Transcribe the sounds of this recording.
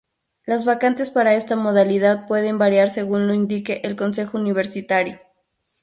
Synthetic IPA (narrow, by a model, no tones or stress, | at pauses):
lazβakant̪e̞spaɾae̞st̪amo̞ðaliðaðpwe̞ðe̞mbaɾjaɾse̞ɣunlo̞ind̪ikeʔelko̞nse̞xouniβ̞e̞ɾsit̪aɾjo